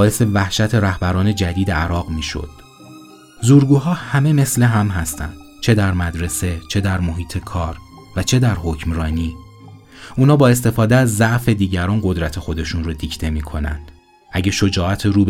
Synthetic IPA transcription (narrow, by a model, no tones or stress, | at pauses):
bːe̞se̞væhʃæt̪ʰe̞ɾæhbæɾɒːne̞d͡ʒæd̪iːd̪e̞æɾɒːɣmiːʃo̰d̪̥ | zuːɾɡuːɦɒːhæme̞me̞sleɦæmɦæst̪ʰæ̰nd̪̥ | t͡ʃʰe̞d̪æɾmæd̪ɾe̞set͡ʃʰe̞d̪æɾmoɦiːt̪ʰe̞kʰɒːɾ | væt͡ʃʰe̞d̪æɾɦocʰmɾɒːniː | ʔuːnɒːbɒːe̞s̬t̪e̞fɒːd̪eæzːæʔfe̞d̪iːɟæɾɒːnɢo̞d̪ɾæt̪ʰe̞xo̞d̪e̞ʃunrod̪iːcʰt̪ʰe̞miːkʰo̞næ̰nd̪̥ | ʔæɟeʃo̞d͡ʒɒːæt̪ʰeɾuːb